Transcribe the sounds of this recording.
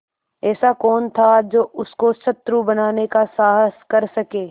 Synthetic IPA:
ɛːsakɔːnt̪ʰad͡ʒoːʊskosɐt̪ːɾubɐnaːnekasaːɦəskɐɾsɐkeː

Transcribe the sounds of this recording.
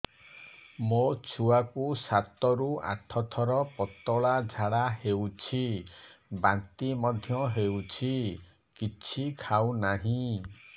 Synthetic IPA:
mot͡ʃʰuakusat̪ɔɾua̰t̪ʰɔt̪ʰɔɾɔpɔt̪ɔɭad͡ʒʱaɽaɦewt͡ʃʰi | bant̪imɔd̪ʱjɔɦewt͡ʃʰi | kit͡ʃʰikʰawnaɦĩ

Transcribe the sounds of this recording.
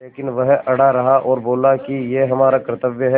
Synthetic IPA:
leːkɪnʋɐɦɐɽaɾɐɦaʔɔːɾboːlakijeɦɐmaːɾakɾət̪əbjəɦɛ

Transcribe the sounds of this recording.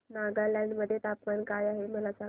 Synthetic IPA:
naɡalãɳɖməd̪ʱːjet̪apmankajaɦeməlasã

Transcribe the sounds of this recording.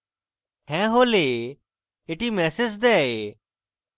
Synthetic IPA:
ɦɛ̃ːɦoːleː | eːʈiːmɛːseːsd̪ɛːeː

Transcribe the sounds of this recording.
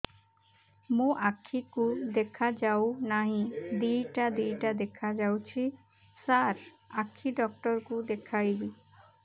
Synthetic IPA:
mũʔakʰikud̪ekʰad͡ʒawnaɦĩd̪ijʈad̪ijʈad̪ekʰad͡ʒawt͡ʃʰi | saɾ | akʰːiɖɔk̚ʈɔɾkud̪ekʰajbi

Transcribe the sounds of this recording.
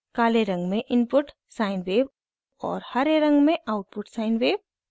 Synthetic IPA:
kaːleɾɐ̃ŋɡmẽʔɪnpʊʈ | saːɪnʋeːʋ | ɔ̰ːɾhɐɾeɾɐ̃ŋɡmẽʔaːʊʈ̚pʊʈsaːɪnweːw

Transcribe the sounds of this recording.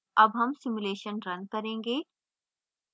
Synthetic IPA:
ɐbɦɐmsɪmuleːʃənɾɐ̃nd̪̚kɐɾẽːŋɡeː

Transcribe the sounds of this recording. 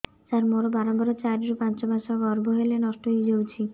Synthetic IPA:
d͡ʒaɾmoɾobaɾɔbɔɾot͡ʃaɾiɾopãnt͡ʃɔbʱasaɡɔɾbʱoɦelenɔʃʈoid͡ʒowt͡ʃʰi

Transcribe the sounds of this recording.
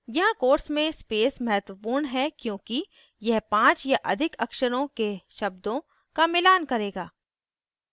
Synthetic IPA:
jɐɦãkoːɾsmẽspeːsmɐɦət̪wəpuːɾɳɦɛkjõːki | jɛɦpãːt͡ʃjaʔɐ̰d̪ʱɪkɐkʃəɾõkeʃɐb̚d̪õ | kamɪlaːnkɐɾeːɡaː

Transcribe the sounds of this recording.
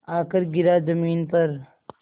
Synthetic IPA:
aːkəɾɡɪɾaːzɐmiːnpɐɾ

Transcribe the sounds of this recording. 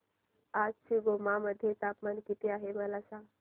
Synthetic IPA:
ad͡ʒt͡ʃʰiɡomaməd̪ʱjet̪apmankit̪ijaɦemɐlasa

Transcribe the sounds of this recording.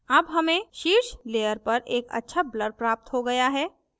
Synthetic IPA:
ɐbɦɐmẽʃiːɾʃleːəɾpɐɾʔeːkɐ̰tːʃʰabləɾpɾaːp̚t̪ɦoɡɐjaɦɛː

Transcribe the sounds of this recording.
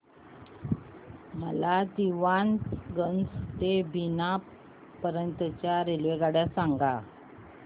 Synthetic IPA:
məlad̪iʋanɡənd͡zt̪ebʱina | pəɾənt̪ət͡ɕjaɾelʋeɡaɽjasaŋɡa

